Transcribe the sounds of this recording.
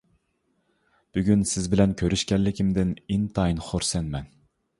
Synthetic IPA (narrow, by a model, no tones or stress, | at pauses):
b̥yɡʲynsɪzbɪlɛnkʲʰøɾyʃkʲɛllɪkʲimd̪ɪnint̪ʰɑjinχoɾsɛnmɛn